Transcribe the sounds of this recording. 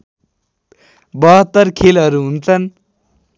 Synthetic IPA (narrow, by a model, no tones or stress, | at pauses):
bʌɦʌt̪ːʌɾkʰelɦʌɾuɦunt͡sʰʌn